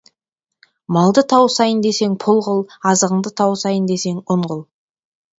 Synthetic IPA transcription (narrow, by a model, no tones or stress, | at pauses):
mɑlˠd̪ət̪ʰɑwsɑjənd̪e̞se̞ŋpʰʊlˠʁəlˠɑzəʁəɴd̪ət̪ʰɑwsɑjənd̪e̞se̞ŋʊɴʁʊlˠ